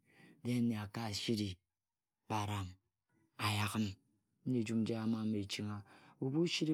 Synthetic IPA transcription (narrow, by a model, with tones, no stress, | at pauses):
de˦ne˨a˨ka˦˨ʃi˦ɾi˨ | b̥a˨ɾa˨m | a˨ja˨ɣə˦n̩˦ | ɲe˦˨d͡ʒu˦m˦d͡ʒa˦a˦ma˦me˨t͡ʃi˦ŋa˨u˨bu˦ʃi˦ɾi˦